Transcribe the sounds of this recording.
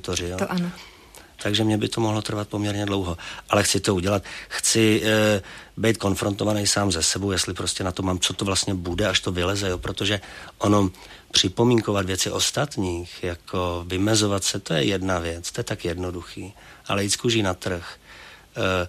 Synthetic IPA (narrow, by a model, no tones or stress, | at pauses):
t̪orɪjoʔan | t̪aɡʒɛmɲɛbɪt̪o̞moɦlo̞t̪r̩vat̪̚pomɲɛɾɲɛdlo̞wɦo̞ʔalɛxt͡sɪt̪o̞uɟɛlat̪xt͡sɪ | bɛjt̪̚ko̞nfɾo̞nt̪ovanɛjsaːmzɛsɛbowjɛst̪lɪpɾo̞scɛnat̪omaːmt͡so̞t̪ovlast̪ɲɛbudɛaʃt̪o̞vɪlɛzɛjoːpɾo̞t̪oʒɛʔono | pr̝̥ɪpo̞miːŋko̞vat̪vjɛt͡sɪʔo̞st̪at̪ɲiːxjakʰo̞vɪmɛzo̞vat̪sɛt̪o̞jɛjɛdnavjɛt͡st̪ojɛt̪akjɛdno̞duxiːʔa̰lɛjiːt̪skuʒiːnat̪r̩x